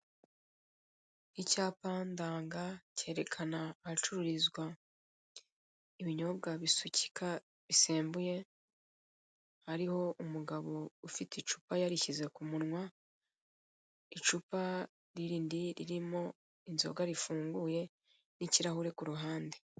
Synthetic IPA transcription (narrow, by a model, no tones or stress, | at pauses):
icaːpaːndaːŋɡace̞ːɾe̞kʰanaːhat͡ʃuɾuɾizɡwa | iβiɲo̞bɡaβisuci̥kʰa | βiseːmbuje̞ | haɾiho̞ʔumuɡaβo̞ufitit͡ʃu̥pajaɾiçize̞kumunŋwa | it͡ʃupa | ɾiɾiːndiɾiɾimo̞ | inzo̞̰ɡaɾifuːŋɡuje̞ | niciɾahuɾe̞kuɾuɦaːnde